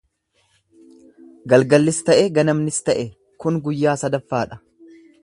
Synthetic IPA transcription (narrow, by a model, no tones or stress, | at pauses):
ɡɐlɡɐlːɪst̪ɐʔɛɡɐnɐmnɪst̪ɐʔɛ | kʊnɡʊjːaːsɐd̪ɐfːaːᶑɐ̥